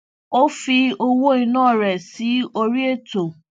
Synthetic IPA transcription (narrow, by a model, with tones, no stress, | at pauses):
o˦fi˧o˦wo˦i˧nɔ̃ː˦˨ɾɛ˨si˨˦o˦ɾi˦e˦to˨